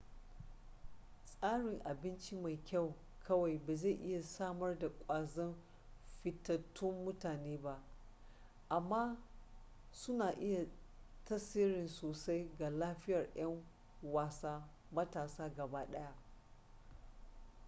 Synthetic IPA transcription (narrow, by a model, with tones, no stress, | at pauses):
sʼaː˦ɽɪ˨ŋʔa˨bɪ˦nt͡ʃi˦ma˨jkʲa˦˨w | kʰɐ˦wa˨jbaː˨za˦˨ʔɪ˦ja˨saː˦mɐ˦rda˨kʷʼaː˨zɐ˦n | ɸɪ˨tːɐ˨tːʊ˦mːʊ˦taː˨neː˦ba˦ʔ | ʔa˨mːaː˦ | sʊ˦naː˨ʔɪ˦ja˨tɐ˦siː˦ɽɪ˨nsoː˨sa˦jɡa˨laː˦ɸɪ˦jɐ˨rj̰ɐ˦ŋ | waː˨saː˦ | mɐ˦taː˨saː˦ɡɐ˨baː˦ɗɐ˦ja˦ʔ